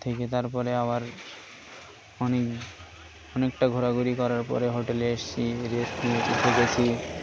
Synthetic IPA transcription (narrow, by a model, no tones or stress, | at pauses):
t̪ʰeket̪aɾpɔɾeabaɾ | ɔnek | ɔnekʈaɡʱoɾaɡuɾikɔɾaɾpɔ̰ɾeɦoʈeleeʃt͡ɕʰiɾesnieit̪ʰeket͡ɕʰi